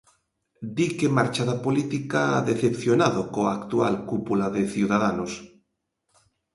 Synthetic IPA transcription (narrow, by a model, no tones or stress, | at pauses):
d̪ikemaɾt͡ʃaðapolit̪ikaaðeθepθjonaðokoakt̪ua̰lkupulaðeθjiwðaðanos